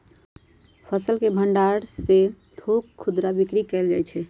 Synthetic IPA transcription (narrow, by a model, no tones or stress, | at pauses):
pʰəsəlkebʱəɳɖaɾse | d̪ʱokʰːud̪ɾabikɾikɛld͡ʒat͡ʃʰɛ